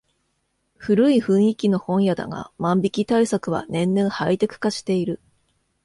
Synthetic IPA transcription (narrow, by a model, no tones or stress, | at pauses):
ɸɯ̟ɾɯ̟iɸɯ̟̃ɰ̃ikʲino̞hõ̞ɰ̃jad̪a̰ŋɡa̰mãmbʲikʲit̪aisakɯ̟βa̰nẽ̞nːẽ̞ɰ̃hait̪e̞kɯ̟̥kaɕi̥t̪e̞iɾɯ̟